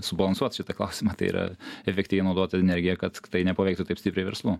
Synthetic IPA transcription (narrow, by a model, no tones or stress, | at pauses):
sʊbɐlˠɐnsuɔt̪ʃʲɪt̪ɐklˠɐ̰ʊsʲɪmɑːt̪ɐɪḭɾʔɐ̰ɛfʲɛktʲiʋʲɛɪnɐʊd̪oːt̪ʲɐɛnʲɛɾʲɡʲɪjɛkɐt̪t̪ɐɪnʲɛpɐʋʲɛɪkt̪ʊt̪ɐɪpsʲtʲɪpɾʲɛɪʋʲɛ̰ɾslˠuː